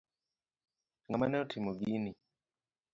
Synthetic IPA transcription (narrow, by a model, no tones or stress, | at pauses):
ŋamanɛɔtʰimoɡini